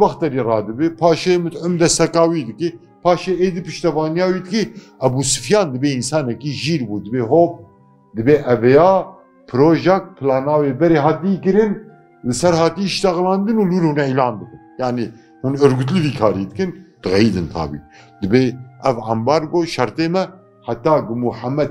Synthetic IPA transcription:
bɑxt̪ɛɾiːrɑːd̪ɨbɨpʰɑːʃemɨt̪ʕʊmd̪ɛsɛkɑːwiːd̪ɨki | pʰɑːʃeeːd̪ipɨʃt̪ɛvɑːnijaːwiːd̪ɨki | ɛbuːsɨ̥fjɑːnd̪ɨbeːinsɑːnɛkiʒiːɾbuːd̪ɨbeːɦoːp̚ | d̪ɨbeːʔɛvɛjaː | pʰɨɾoːʒɛk̚t̪̚pʰɨlɑːnaːwebɛɾeːɦɑːt̪ikɨɾɨn | lɨsɛɾhɑːt̪iʃt̪ɛɣlɑːnd̪ɨnuːlwuɾhunʕilɑːnb̪ɨkɨnjaʕni | hunɨɾɡut̪lɨviːkʰɑːɾiːd̪ɨkɨnd̪̥ɨɣɛjid̪ɨnt̪ʰɑ̰ːbḭ | d̪ɨbeːʔɛvʕa̰mbɑːɾɡoːʃɐɾt̪eːmɛ | ħat̪ːɑːɡɨmuħamɛd̪

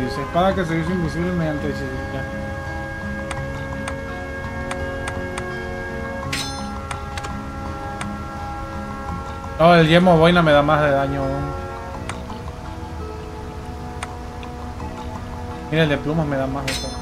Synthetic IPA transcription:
ðisepaɾakes̬eðis̬impus̬iβlemeant̪eðis̬esike | oeld͡ʒemoβojnameðamahðeðaɲouŋ | mineld̪eplumahmeðamahðet̪o

